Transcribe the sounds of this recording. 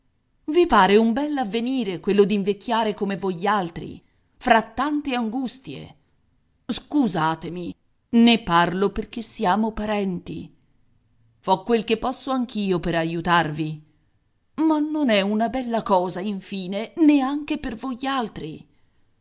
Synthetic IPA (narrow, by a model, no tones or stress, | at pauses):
vipaːɾeumbɛlːavːeniːɾekwelːod̪iɱvek̟ʰʲːjaːɾekomevojːalt̪ɾḭ | fɾat̪ːant̪eaŋɡust̪jḛ | skuzaːt̪emi | nepːarloperk̟esːiaːmopaɾɛnt̪ḭ | fɔkːwelkepːɔsːoaŋk̟iːopeɾajut̪arvi | manːonɛunabɛlːakɔːzaiɱfiːneneaŋk̟epervojalt̪ɾi